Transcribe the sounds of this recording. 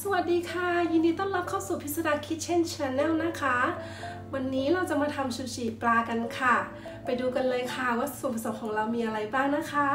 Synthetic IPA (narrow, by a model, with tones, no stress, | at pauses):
sa˧wa˨˩t̪̚diː˧kʰa˥˩jɯː˧ndiː˧t̪ɔː˥˩nla˦˥p̚kʰaː˥˩wsuː˨˩pʰi˦˥sa˧da˧kʰi˦˥t̪̚t͡ɕʰe˥˩nt͡ɕʰa˦˧nːɛ˥˩wna˦˥kʰa˦˥ | wa˧nːiː˦˥la˧wt͡ɕa˨˩maː˧t̪ʰa˧mt͡ɕʰu˧t͡ɕiː˨˩plaː˧ka˧nkʰa˥˩ | pa˧jduː˧ka˧nlɤː˧jkʰa˥˩waː˥˩su˨˩˦npʰa˧˩so˨˩˦mkʰɔː˩˦ŋɾa˧wmiː˧ʔa˧ɾa˧jbaː˥˩ŋna˦˥kʰa˦˥